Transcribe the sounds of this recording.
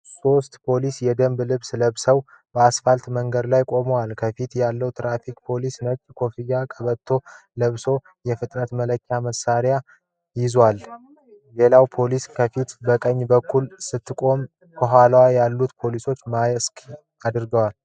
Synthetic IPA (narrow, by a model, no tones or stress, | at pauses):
so̞st̪pʰo̞lisjɛd̪əmblɨβsləβsəw | bəasfalt̪məŋɡəd̪lajkʼo̞məwalkʰəfit̪jalːəwt̪ɾafikʼpʰo̞lisnət͡ʃʼːkʰo̞fijakʼəβət̪ʰːo̞ | ləβso̞ | jɛfɨt̪ʼnət̪mələkʰːjaməsaɾja | jɪzwal | le̞lawpʰo̞liskʰəfit̪bəkʼəɲːbəkʰːulsɨt̪ːɨkʼo̞m | kʰoɦalwajalːut̪pʰo̞liso̞t͡ʃːmajɛskʼ | ad̪ɨɾɡəwal